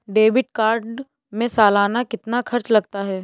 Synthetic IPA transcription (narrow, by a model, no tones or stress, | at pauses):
ɖeːbɪʈ̚kaːɾɖ | mẽsaːlaːnakɪt̪nakʰɐɾt͡ʃlɐɡ̚t̪aɦɛː